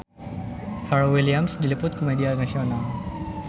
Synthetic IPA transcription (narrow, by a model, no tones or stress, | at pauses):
fɛɾowiliamsdilipʊt̪̚komedianaʃona